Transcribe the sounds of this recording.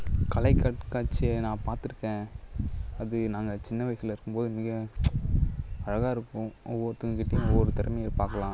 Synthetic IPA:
kɐlɐɪkːɐʈkaːʈ̚t͡ʃːɪenãːpaːɾt̪ɪɾɯkːẽː | ɐðɯnaːŋɡɐt͡ʃɪnːɐʋɐɪsɪlɐɪɾɯkːɯmpoːðɯmɪɣɐ | ɐɻɐɣaːɪɾɯkːʊ̃ɔʋːɔɾt̪ːɯŋɡkɪʈːɐɪjʊ̃ɔʋːɔɾɯt̪ɪɾɐmɐjelpaːɾkɐlãː

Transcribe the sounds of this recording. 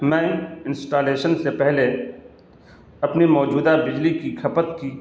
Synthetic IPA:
mɛ̃ːɪ̃nsʈaːleːʃənsepɛɦle | ɐpnimɔːd͡ʒuːd̪abɪd͡ʒlikikʰɐpət̪ki

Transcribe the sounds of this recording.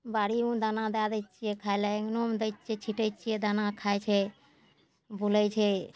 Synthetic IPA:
baɾiũd̪anad̪ad̪ət͡ʃijekʰaeleɡnomd̪əjt͡ʃʰet͡ʃʰiʈəjt͡ʃʰijed̪anakʰajt͡ʃʰɛ | bʱulət͡ʃʰɛ

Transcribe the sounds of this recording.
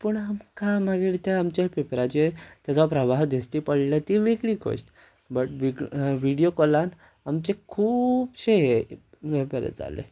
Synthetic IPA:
pəɳamkamaɡiɾt̪eamt͡ɕepepɾat͡ɕet̪jat͡sɔpɾəbaɦd̪ʱist̪ipəɽilat̪iʋiɡɭikʰo̰ɕʈ | bəʈʋiʋiɽijokɔlan | amt͡ɕekʰuːbɕeɦe | ʋebəɾḛd͡za̰lḛ

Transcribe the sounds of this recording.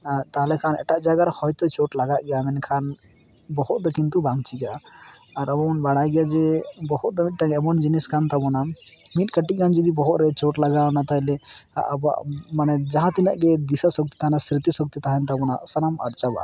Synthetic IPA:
at̪aɦlekʰanɛ̰ʈaʔd͡ʒaɡaɾhɔjt̪ɔt͡ʃoʈlaɡaʔɡɛjamɛnkʰan | bɔhut̪̚d̪ɔkint̪ubaŋt͡ʃʰiɡaː | ɾəmɔɔnbaɽajɡɛjad͡ʒebɔhut̪̚d̪ɔmit̪̚ʈaɡeɛmɔnd͡ʒiniskant̪abɔnamiʈkəʈikʰand͡ʒɔd̪ibɔɦut̪ɾɛt͡ʃɔʈlaɡanat̪aɦlḛ | ba̰maned͡ʒaɦãt̪inaʔɡed̪isasɔk̚t̪i̥t̪ʰaɦnasɾit̪isɔk̚t̪it̪aɦɛnt̪abɔna̰ʔsəɾamə̰ɽt͡ʃaba̰

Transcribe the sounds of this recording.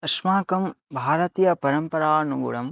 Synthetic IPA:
ɐʃmaːkɐmbʱaːɾɐt̪ijɐpɐɾɐmpɐɾaːnuɡṵɽɐm

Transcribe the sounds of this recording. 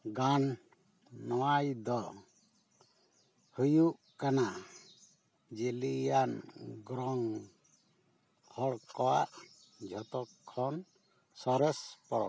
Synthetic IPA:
ɡan | nɔwajd̪ɔ | hujuʔ | kana | d͡ʒelijanɡɾɔŋ | hɔɽkɔwaʔ | d͡ʒʱɔt̪ɔkʰːɔn | sɔɾɛspɔɾɔ̰

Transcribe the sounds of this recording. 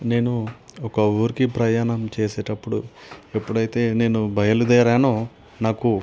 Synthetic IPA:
ne̞ːnuɔkɐuːɾikipɾɐjaːnɐmt͡ʃeːseːʈɐpːuɽṵe̞pːuɽɐjt̪e̞ːne̞ːnubʱɐjɐlud̪ɛːɾaːno | naːku

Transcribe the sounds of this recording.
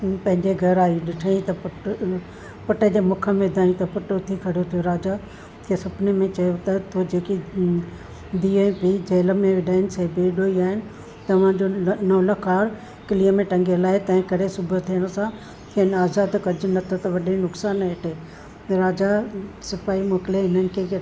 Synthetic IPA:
pɐ̃ɦɪ̃ɲd͡ʑeɡʱɐɾaːiɗɪʈʰaĩt̪ɐpʊʈ | pʊʈəd͡ʑeːmʊkʰə̆mẽd̪ʱãːĩt̪ɐpʊʈot̪ʰikʰɐɽ̤jot̪ʰijoɾaːd͡ʑa | kʰeːsʊbnemẽt͡ɕɐjot̪ɐt̪ʰod͡ʑeːki | d̪iepid͡ʑɐːləmẽʋɪɗaːɪnɪ̆seːbeɗoːiaːɦɪnɪ̆ | t̪ɐʋ̤ãːd͡ʑonɐʋləkaːɾ | kɪliəmẽʈɐ̃ŋɡelaːɪt̪ɐ̃ɦɪ̃kɐɽesʊbət̪ʰiəɽ̃sã | kʰenaːzaːd̪kɐd͡ʑʊnɐt̪ʰot̪ɐʋɐɗenʊksaːnɦeʈʰeː | ɾaːd͡ʑasɪpaːimoːkɪleɦɪnənɪ̆kʰe

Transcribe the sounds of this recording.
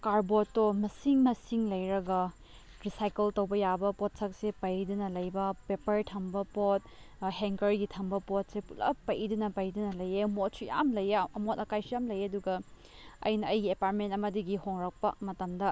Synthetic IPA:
kaɾbotːomɐsiŋmɐsiŋlɐjɾɐɡɐ | ɾisajkeltowbɐjabɐpot̚sɐk̚sepɐjdunɐlɐjbɐpepɐɾtʰɐmbɐpot̚ | ɦeŋkɐɾɡitʰɐmbɐpot̚sepulɐ̰pɐjdunɐpɐjdunɐlɐjemotsija̰mlɐjaɐmotɐkajsijamlɐjɐduɡɐ | ɐ̰jnɐɐjɡiepaɾt̚mentɐmɐdiɡihoŋɾɐk̚pɐ̰mɐtɐmdɐ

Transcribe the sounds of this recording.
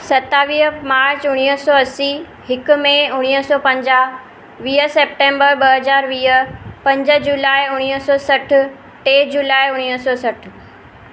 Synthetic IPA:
sɐt̪aːʋiːɦəmaːɾt͡ɕʊɽ̃iəsɔɐsi | hɪkʊ̆mẽʊɽ̃iɦəsɔːpɐ̃ɲd͡ʑaː | ʋiːɦəseːp̚ʈẽːmbəɾbɐɦɐzaːɾʋiːɦəpɐ̃ɲd͡ʑə̆d͡ʑuːlaːɪʊɽ̃iəsɔːsɐʈʰʊ̆ | ʈeːd͡ʑuːlaːiʊɽ̃iəsɔːsɐʈʰʊ̆

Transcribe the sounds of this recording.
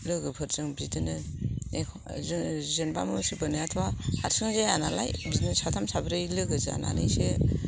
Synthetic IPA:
lɯɡɯpʰɯɾzɯŋbitɯnɯe | zzɯnbamusibɯnijatʰwahaɾsɯŋzajanala̰jbiznsatʰamsabɾalɯɡɯza̰na̰nɯjse

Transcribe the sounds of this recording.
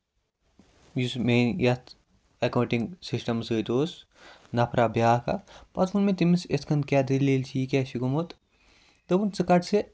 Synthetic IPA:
jusmeːnjɐt̪ʰ | ɐkɐuɳʈiŋɡsisʈɐmsət̪oːs | nɐpʰɾabjaːkɐ̰pɐt̪kunmet̪imiset̪ʰkʰɐnd̪̚kʲaːd̪iliːlt͡ʃʰikʲɛsikumot̪ | t̪ɐbunt͡sɨkɐʈse

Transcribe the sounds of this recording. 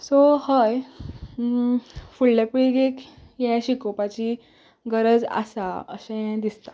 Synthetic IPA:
sohaj | fullepɽiɡekjɛ̃ɕikopat͡ɕiː | ɡəɾəd͡za̰saə̰sə̃jɛ̃d̪ist̪ḁ

